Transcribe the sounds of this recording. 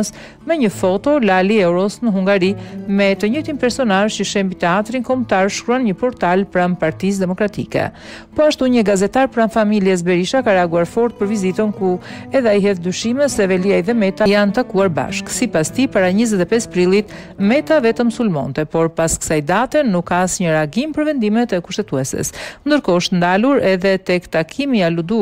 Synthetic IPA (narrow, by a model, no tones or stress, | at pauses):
s | mɛɲəfɔt̪ɔlaliɛwɾɔsnəɦuŋɡaɾimɛt̪əɲəjt̪inpɛɾsɔnalt͡ʃəʃɛmbit̪ɛat̪ɾinkɔmt̪aɾʃkɾuanɲəpɔɾt̪alpɾampaɾt̪is̬d̪ɛmɔkɾat̪ḭkɛ̰ | pɔaʃt̪uɲəɡazɛt̪aɾpɾanfamiljɛs̬bɛɾiʃakaɾɛaɡuaɾfɔɾt̪̚pəɾvizit̪ənkuɛðaiɦɛθd̪yʃimɛsɛvɛliajðɛmɛt̪ajant̪akuaɾba̰ʃksipast̪ipaɾaɲəzɛt̪ɛpɛspɾilˠit̪ | mɛt̪avɛt̪əmsulmɔ̰nt̪ɛpɔɾpaskə̥sajd̪at̪ɛnukasɲəɾaɡimpəɾvɛnd̪imɛt̪əkuʃt̪ɛt̪uɛsɛ̰snd̪əɾkɔʃt̪nd̪aluɾɛðɛt̪ɛkt̪akʰimialud̪u